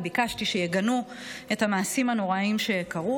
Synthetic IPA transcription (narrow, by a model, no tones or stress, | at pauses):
bikaʃtiʃejeɡanu | ethamaːsimhano̞ʁaimʃe̞kaʁu